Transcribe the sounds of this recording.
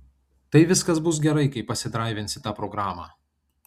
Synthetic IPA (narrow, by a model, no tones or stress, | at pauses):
t̪ɐɪʋʲɪskɐsbʊs̬ɡʲɛɾɐɪkɐɪpːɐsʲɪd̪ɾɑˑɪʋʲɪntsʲɪt̪ɑːpɾɔɡɾɑːmɑ̰ː